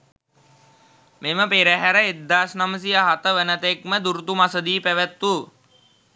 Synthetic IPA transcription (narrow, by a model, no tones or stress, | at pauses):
meməpeɾæɦæɾəet̪ːaːsnaməs̬ijaɦat̪əʋənət̪ekməd̪uɾut̪umasəd̪iːpæʋæt̪ːu